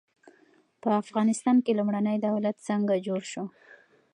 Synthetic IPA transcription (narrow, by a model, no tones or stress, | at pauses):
pəafɣɑnɪst̪ɑnkelumɽanəjd̪awlat̪səŋɡad͡ʒoɽʃo